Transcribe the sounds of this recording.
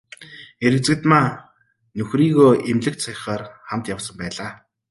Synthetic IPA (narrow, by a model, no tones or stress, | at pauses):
eɾɘ̆t͡sɘ̆kt̪maː | nɵxriːɣoːʔemɮɘ̆k̚t̪sʰajχaːrχamt̪jawsə̆mpæːɮaː